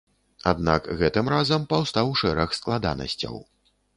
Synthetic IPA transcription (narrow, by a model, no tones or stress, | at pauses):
ad̪na̰kɣɛt̪ɨmɾazɐmpawst̪awʂɛɾɐxsklˠad̪a̰nɐ̰sʲt͡sʲɐ̰w